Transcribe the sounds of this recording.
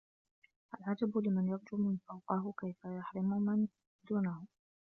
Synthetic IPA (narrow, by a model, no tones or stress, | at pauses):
ʔalʕad͡ʒabʊlɪmanjɑɾˤd͡ʒʊːmɪnfawqɑɦʊkajfajaħɾɪmʊmɪn | d̪uːnahʊ